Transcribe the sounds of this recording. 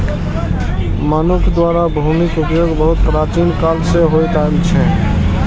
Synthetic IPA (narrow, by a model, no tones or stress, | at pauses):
mənukʰd̪waɾabʱəʊmikupjoɡbəɦut̪̚pɾat͡ʃinkalseɦojt̪aelt͡ʃʰɛ